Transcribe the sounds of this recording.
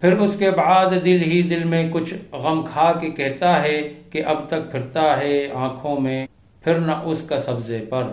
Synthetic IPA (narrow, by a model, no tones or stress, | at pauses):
pʰɪɾʊskebaːd̪d̪ɪlɦid̪ɪlmẽkʊt͡ʃʰɣɐmkʰaːkekɛɦt̪aɦɛkeʔɐb̚t̪ɐk̚pʰɪɾt̪aɦɛãːkʰõmẽ | pʰɪɾnɐʔʊskasɐbzepɐɾ